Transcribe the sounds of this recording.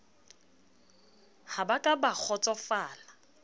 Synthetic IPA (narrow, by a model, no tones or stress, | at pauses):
habakʼabak͡xʰɔt͡sʼɔfaːla